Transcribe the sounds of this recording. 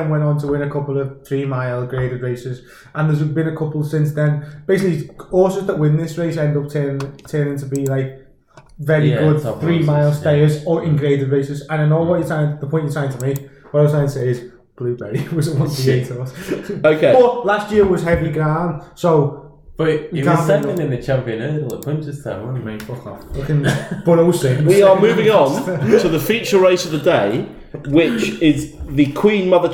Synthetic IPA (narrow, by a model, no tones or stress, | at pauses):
nwɛ̃ntn̩tʰəwɪ̃nəkʰʊpəl̩ˠəv̥θɹiːmaɪlˠɡɹieɪɾɪdɹeɪsɪz | ʔə̃nðəzbĩnəkʰʊpəl̩ˠsɪ̃nsðə̃nb̥eɪsɪkliɔːˑsəzðəʔwɪ̃nðɪsɹeɪsɛ̃ndʊp̚tʰɜ̃ːtʰɜːnɪ̃ŋtʰəbilaɪk̚ | vɛɹiɡʊd̚θɹiːmaɪlˠsteɪəzəɪ̃nɡɹeɪdɪdɹeɪsɪzə̃naɪ̃noʊːwɔt͡ʃəsʰaɪ̃nðəpʰɔ̃ɪ̃nt͡ʃəsʰaɪɪ̃ntʰəmiwʌɾaɪzsʰaɪ̃ntʰəseɪɪz̥ | b̥lʉːbɛɹiwɒzəwɒ̃nietəsoʊkʰeɪbʌlastjɪəɪwɒz̥ɦɛviɡɹãnsoʊ | b̥əɡãsɛkɪ̃nɪ̃nðət͡ʃʰãmpiə̃nɛəpʰɪ̃ntɪz̥θʰã̰nə̃njəmẽɪ̃nfʊkɔflʊkɪ̃nb̥ʊɾoʊsɪ̃wiəmʉːvɪ̃ŋə̃ntʰəðəfjʉˑt͡ʃəɹeɪsəvðədeɪ | wɪt͡ʃɪzðəkʰw̥ĩːnmʌðə